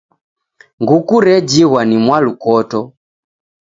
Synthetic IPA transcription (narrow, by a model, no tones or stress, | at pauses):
ŋɡukuɾɛd͡ʒiɣwanimwalukɔtɔ